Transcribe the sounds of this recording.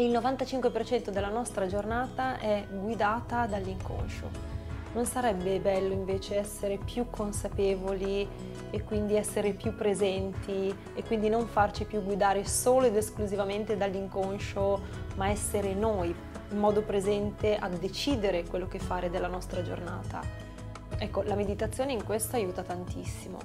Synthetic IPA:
ilnovant̪at͡ʃiŋkwepert͡ʃɛnt̪od̪elːanɔst̪ɾad͡ʒornaːt̪aʔɛɡwid̪aːt̪ad̪alːiŋko̰nʃo̰ | nonsaɾɛbːebɛlːoiɱveːt͡ʃeɛsːeɾepjukʰːonsapeːvoli | ekːwind̪iɛsːeɾepjupːɾezɛnt̪ʰi | ekːwind̪inoɱfart͡ʃipjuɡːwid̪aːɾesoːloed̪eskluzivament̪ed̪alːiŋkonʃomaɛsːeɾenoj | imːɔːd̪opɾezɛnt̪eʔad̪et͡ʃiːd̪eɾekwelːokefːaːɾed̪elːanɔst̪ɾad͡ʒo̰rnaːt̪a̰ | ɛkːolamed̪it̪at̪sːjoːneiŋkwest̪oajuːt̪at̪ant̪isːimo̰

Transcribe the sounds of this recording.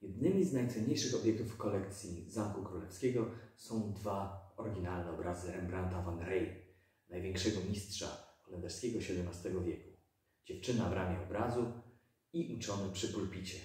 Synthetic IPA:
jɛd̪̚nɘmʲiznajt̪sɛɲejʂɘxɔbjɛk̚t̪ufkɔlɛkt̪sʲjizamkukɾulɛfskʲɛɡɔsɔ̃w̃d̪vaɔɾɡʲinalnɛɔbɾazɘɾɛmbɾant̪avanɾɛj | najvʲjɛŋkʂɛɡɔmʲistʂa̰xɔlɛnd̪ɛɾskʲɛɡɔɕɛd̪ɛmnast̪ɛɡɔvʲjɛku̥ | d͡ʑɛft͡ʂɘnavɾʔamʲɛɔbɾazu | iʔut͡ʂɔnɛpʂɘpuɾpʲit͡ɕɛ

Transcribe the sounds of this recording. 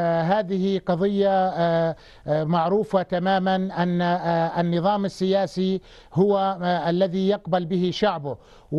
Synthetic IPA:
ɦaːðɪhiqɑðˤɪjːa | maʕɾuːfat̪amaːmanʔanːanːɨðˤɑːmɪsːɪjaːsi | hʊwaʔalːaðijɑqbalbɪɦɪʃaʕbʊ

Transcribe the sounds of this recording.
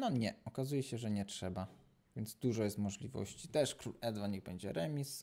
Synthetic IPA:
nɔɲɛɔkazujɛɕɛʐɛɲɛtʂɛba | vʲjɛnd̪zd̪uʐɔjɛst̪mɔʐlʲivɔ̰ɕt͡ɕit̪ɛʂkɾulɛd̪vanɲiɣbɛɲd͡ʑɛ̰ɾɛmʲis

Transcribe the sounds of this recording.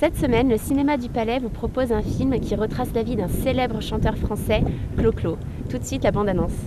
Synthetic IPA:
sɛt̪səmɛnləsinemad̪ypalɛvupχɔpozɛ̃filmkʲiʁət̪χaslavid̪ɛ̃selɛbʁəʃɑ̃t̪œʁfχɑ̃sɛkloklo | t̪ut̪sɥit̪labɑ̃d̪anɔ̃s

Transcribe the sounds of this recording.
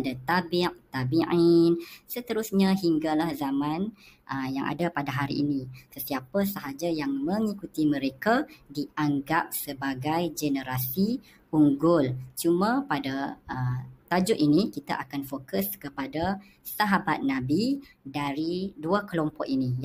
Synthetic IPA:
dat̪abiʔt̪abiʕinsət̪əɾusɲaɦiŋɡalahzamãn | ʔəjaŋʔa̰dapadaɦaɾḭːnĩsəsiapəsəɦad͡ʒajaŋmə̃ŋikut̪imə̃ɾekadiaŋɡap̚səbaɡajd͡ʒenəɾasi | uŋɡʊlt͡ʃumãpadaət̪ad͡ʒʊʔ̪inikit̪aʔakanfokəskəpada | saɦabat̪̚nãbidaɾiduakəlompɔʔinĩ

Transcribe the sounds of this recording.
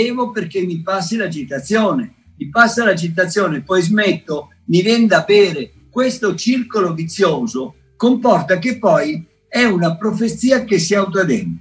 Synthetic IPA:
eːvopeɾk̟emːipasːilad͡ʒit̪at̪sːjɔːne | mipasːalad͡ʒit̪̬at̪sːjɔːnepɔjzmɛt̪ːo | mivɛnd̪abɛːɾe | kwest̪ot͡ʃirkolovit̪sːjoːzo | kompɔrt̪akepːɔj | ɛunapɾofet̪siːakesːiawut̪̬ad̪ɛn

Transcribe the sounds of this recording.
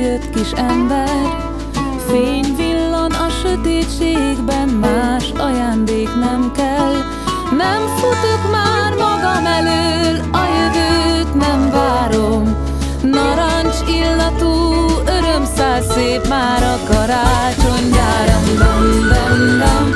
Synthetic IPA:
jøt̪kiʃɛmbɛr | feːɲvilːɒnɒʃøt̪eːt̪t͡ʃeːɡbɛnmaːʃɒjaːnd̪eːknɛmkɛl | nɛmfut̪okmaːrmɒɡɒmɛløːlɒjøvøːt̪nɛmvaːɾo̞m | nɒɾaɲt͡ʃilːɒt̪uːø̞ɾømsaːrseːpmaːɾɒkɒɾaːt͡ʃoɲd̪aːɾombɔnːɛndɛm

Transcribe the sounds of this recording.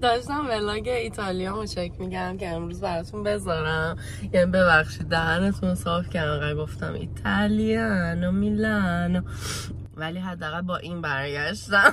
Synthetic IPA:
d̪ɒːʃt̪æmvelɒːɡeit̪ʰɒlijɒmot͡ʃæcʰmiɟæɾæmceemɾuːzbæɾɒt̪ʰunbe̞zɒːɾæm | jænibe̞bæxʃid̪̚ːæɦænet̪ʰunsɒːfcʰæɾd̪æʁælɡo̞ft̪æ̰mʔḭt̪ʰæliɛænomilæn | væliːɦæd̪ːæːɣælbɒːʔiːnbæɾɟæʃt̪æm

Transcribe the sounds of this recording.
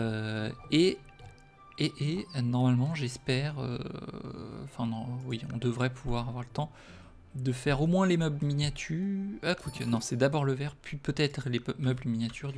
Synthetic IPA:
øe | eʔenɔʁmalmɑ̃ʒɛspɛʁø̰ | ɑ̃fɛ̃nɔ̃wiɔ̰̃d̪əvʁɛpuvwaʁavwaʁlət̪ɑ̃ | d̪əfɛʁomwɛ̃lemœblminjat̪ʰyakukʰɛnɔ̃sɛd̪abɔʁləvɛʁpɥipøt̪ɛt̪χlemœbləminjat̪ʰyʁd̪

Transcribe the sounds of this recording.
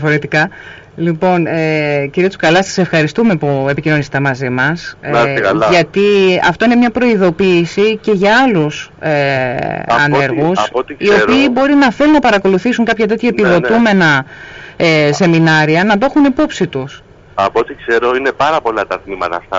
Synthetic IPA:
iɐfo̞ɾe̞t̪ikɐ | lipo̞neciɾiɐt̪u̥skɐlɐsɐ̥se̞fxɐɾist̪ume̞pue̞picino̞nise̥t̪emɐzimɐskɐlɐʝɐt̪iɐ̰ft̪o̞ine̞mɲɐpɾo̞iðo̞piːsice̞ʝɐɐlus | e | ɐne̞ɾɣusɐot̪iio̞ɾpiːbo̞ɾinɐθe̞lunɐpɐɾɐko̞luθisuŋkɐpçɐt̪e̞t̪çɐetpiðo̞t̪ume̞nɐ | ese̞minɐɾiɐnɐt̪oxunipo̞psit̪us | ɐpot̪ikse̞ɾo̞ine̞pɐɾɐpo̞lɐt̪ɐt̪mimɐt̪ɐ̰ft̪ɐ̰

